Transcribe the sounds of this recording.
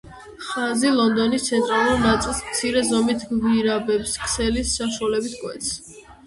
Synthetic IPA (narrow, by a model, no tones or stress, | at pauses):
χazilˠɔnd̪ɔnist̪sʰɛnt̪ʼɾalˠuɾnat̪sʼilˠsmt̪sʰiɾɛzɔmit̪ʰɡviɾabɛpskʼʰsɛlisːaʃualɛbit̪ʰkʼwɛ̰t̪sʰ